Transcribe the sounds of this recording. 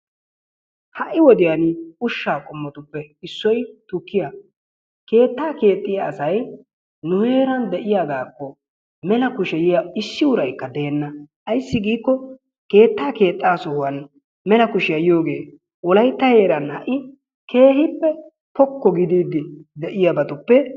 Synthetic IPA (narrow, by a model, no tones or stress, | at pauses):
hɐʔɪwɔd̪ɪjanʊʃːaːkʼʊmːɔt̪ʊpːɛɪsːɔjt̪ʊkːɪjɐ | ke̞ːt̪ːaːke̞ːt̪ʼːɪjaːsɐj | nʊhe̞ːɾɐnd̪ɛʔɪjaɡaːkːɔ | mɛlɐkʊʃɛjɪjaɪsːɪwʊɾɐjkːɐd̪e̞ːnːɐʔɐjsːɪɡiːkːɔ | ke̞ːt̪ːaːke̞ːt̪ʼːaːsɔwɐn | mɛlɐkʊʃɪjɐjjo̞ːɡe̞ː | wɔlɐjt̪ːɐhe̞ːɾɐnhɐ̰ʔɪ | kʰe̞ːhɪpːɛ | pɔkːɔɡɪd̪iːd̪ɪd̪ɛʔɪjɐbɐt̪ʊpːɛ